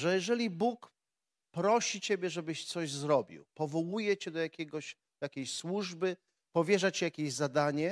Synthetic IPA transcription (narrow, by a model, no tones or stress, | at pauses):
ʐɛjɛʐɛlʲibuk | pɾɔɕit͡ɕebʲjɛʐɛbɘɕt̪sɔʑzɾɔbʲḭwpɔvɔwujɛt͡ɕɛd̪ɔjakʲɛɡɔɕ | jakʲeɕswuʐbɘ | pɔvʲjɛʐat͡ɕijakʲeʑzad̪aɲɛ